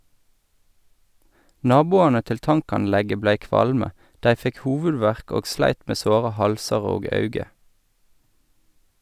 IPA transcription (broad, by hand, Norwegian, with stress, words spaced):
ˈnɑːbʊɑnə ˈtɪl ˈtɑŋkɑnˌlɛɡə ˈblæɪ ˈkʋɑlmə ˈdæɪ ˈfɛk ˈhuːʋʉˌdʋæʁk ˈoːɡ ˈslæɪt ˈmeː ˈsoːʁə ˈhɑlsɑʁ ˈoːɡ ˈɑʉɡə